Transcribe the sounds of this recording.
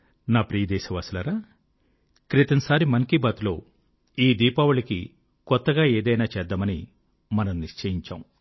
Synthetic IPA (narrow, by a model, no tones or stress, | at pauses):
naːpɾiːɐd̪ɛːʃɐʋɐslɐɾaː | kɾit̪ɐnɐsaːɾimɐŋkibɐt̪lo̞ː | iːd̪iːpaːʋuɭiki | kɔt̪ːɐɡaːeːd̪ɐjnaːt͡ʃɛd̪ːamɐni | mɐnɐmniʂt͡ʃɐjiɲt͡ʃa̰ːm